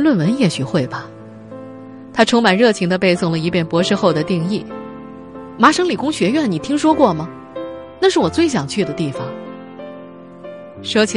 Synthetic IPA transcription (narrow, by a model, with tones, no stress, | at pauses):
lwə˥˧nwə˧˥njɛ˥˩ɕy˨˩xwe˥˩ɪbɐ˩ | t̪ʰa˥ʈ͡ʂʰʊ˧˥ŋma˨˩nɻɤ˥˩t͡ɕʰi˧˥ŋd̪ə˧pe˥˧ɪsʊ˥˩ŋlə˩i˧˥pʰjɛ˥˩npwɔ˧˥ʂɻ̩˥˧xo˥˩ʊd̪ə˩t̪i˥˧ŋi˥˩ | ma˧˥ʂɤ˧˥ŋli˨˩kʊ˥ŋɕɥɛ˧˥ɥɛ˥˩nni˨˩t̪ʰi˥ŋʂwɔ˥kwɔ˥˩mɐ˩ | na˥˧ʂɻ̩˥˩wɔ˨˩t͡swe˥˩ɪɕ̬jɑ˨˩ŋt͡ɕʰy˥˩d̪ə˩t̪i˥˩fɑ˨˩ŋ | ʂɔ˥t͡ɕʰi˨